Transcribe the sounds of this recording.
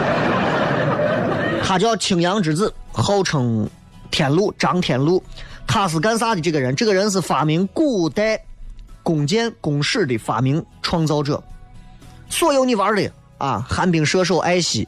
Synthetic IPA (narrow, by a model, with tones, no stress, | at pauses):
k̪ʰa˨˩t͡ɕjɑ˥˩ʊt͡ɕʰi˨˩ŋjɑ˧˥ŋʈ͡ʂɻ̩˨˩t͡sɹ̩˥˩xɑ˥˩ʊʈ͡ʂʰɤ˧˥ŋ | t̪ʰjɛ˨˩nlu˥˩ʈ͡ʂɑ˧˥ŋt̪ʰjɛ˨˩nlu˥˩t̪ʰa˥˩s̬ɹ̩˧˩ka˥ns̬a˥d̪ə˨˩ʈ͡ʂɤ˥˩ɡə˩ɻə˧˥nʈ͡ʂɤ˥˩ɡə˩ɻə˧˥nʂ̬̩˥˩fa˨˩mi˧˥ŋku˥˩t̪a˥ɪkʊ˨˩ŋt͡ɕjɛ˥nkʊ˨˩ŋʂɻ̩˥˩d̪ə˩fa̰˨˩mi˧˥ŋʈ͡ʂʰwɑ˥ŋt͡sɑ˥ʊʈ͡ʂɤ̰˥˩ | swɔ˥˩jo˧˥ʊni˧˩ʋə˧˥lə˨˩ | a̰˧˩xa˧˥npi˨˩ŋʂɤ˥ʂ̬o˥˩ʊʔa˥ɪɕḭ˧˥